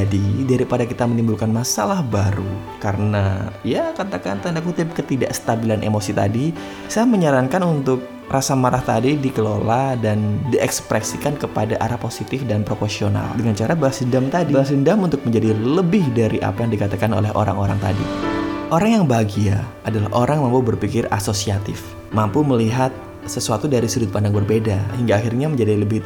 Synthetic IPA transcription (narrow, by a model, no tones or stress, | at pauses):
adidaɾipadakit̪amənimbulkanmasalahbaɾu | kaɾənajakat̪akant̪andakut̪ɪp̚kət̪ida̰ʔsə̥t̪abilanʔḛmosit̪a̰di | saaməɲaɾaŋkanunt̪ʊk̚ | rasamaɾaht̪adidikəloladandiɛkspɾɛsikankəpadaʔaɾaposit̪ɪfdanpɾofosiona̰ldəŋant͡ʃaɾabalasindamt̪adibasindamunt̪ʊk̚məɲd͡ʒadiləbɪhdaɾiʔa̰pajaŋdikat̪akano̰lɛɦo̰ɾa̰ŋoɾa̰ŋt̪a̰dḭʔoɾaŋjaŋbaɡia | adalaɦʔoɾaŋmampubərpikɪrasosiat̪ɪf | mampuməliɦat̪̚ | səsuat̪udaɾisudʊt̪̚pandaŋbərbedaɦiŋɡaːxirɲaməɲd͡ʒadiləbɪh̪